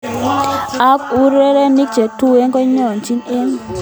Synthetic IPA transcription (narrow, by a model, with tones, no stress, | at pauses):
a˦ku˦ɾe˦ɾe˦mi˦k̚t͡ʃe˨tu˦e˦ŋkɔ˦ɲɔ˦˨nt͡ʃi˦ne˦ŋ